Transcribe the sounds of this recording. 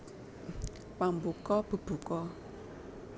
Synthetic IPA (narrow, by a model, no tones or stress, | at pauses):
pambukɔb̥ə̤b̥ṳkɔ